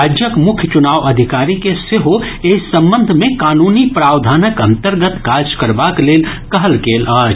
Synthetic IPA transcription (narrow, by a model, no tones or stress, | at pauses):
ad͡ʒjəkmʊkʰjt͡ʃunaːʋəd̪ʱikaːɾikeseɦoesə̃mbə̃nd̪ʱmẽkaːnuːnipɾaːwd̪ʱaːnəkə̃nt̪əɾɡət̪kaːd͡ʒkəɾbakleːlkəɦəlkeːlaːd͡ʒ